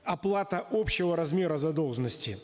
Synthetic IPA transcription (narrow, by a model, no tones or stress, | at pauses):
ɐplˠat̪əʔopɕːɪvəɾɐzmʲe̞ɾəzɐd̪o̞lˠʐənəsʲtʲɪ